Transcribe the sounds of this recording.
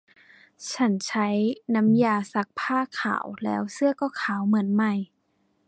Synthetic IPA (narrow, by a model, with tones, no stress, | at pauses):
t͡ɕʰa˦˥nt͡ɕʰa˦˥jna˧˥mjaː˧sa˧˥˩k̚pʰaː˥˩kʰa̰ː˨˩˦wlɛː˦˥wsɯ˥˩ɐkɔː˧˥˩kʰaː˨˦wmɯ˩˦ənma˧˩j